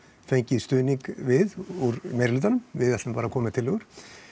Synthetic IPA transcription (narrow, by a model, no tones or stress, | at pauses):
fejɲcɪðst̪ʏːniŋkvɪðuɾmejɾlʏːt̪anʏmvɪðɛt̪ɪmpaːɾakʰɔːmɪt̪ʰɪlɦɛɣʏɾ̥